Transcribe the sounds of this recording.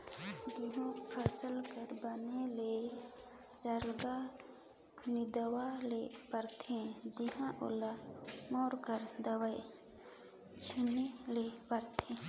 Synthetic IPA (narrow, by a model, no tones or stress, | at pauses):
d̪iɦũpʰɛsəlkəɾbənele | səɾɡa | nɪd̪əwalepəɾt̪ʰẽd͡ʒɪɦãʔʊ̰lamɔːɾkəɾd̪əwəe | t͡ʃʰɪnelepəɾt̪ʰẽ